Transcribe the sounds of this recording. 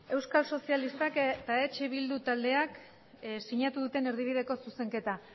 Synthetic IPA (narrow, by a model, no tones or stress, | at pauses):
e̞wskalso̞sialist̪akt̪aet͡ʃeβild̪ut̪ald̪e̞ak | siɲat̪uðut̪e̞ne̞ɾð̞iβiðe̞ko̞suse̞ŋke̞t̪a